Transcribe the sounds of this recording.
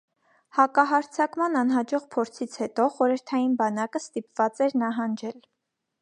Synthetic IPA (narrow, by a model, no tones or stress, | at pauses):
hɑkɑɦɑɾt͡sʰɑkmɑnɑn̪ɦɑd͡ʒɔʁpʰɔɾt͡sʰit͡sʰhɛt̪ɔχɔɾəɾt̪ʰɑjinbɑnɑkəst̪ipv̥ɑt͡sɛɾnɑɦɑnd͡ʒɛl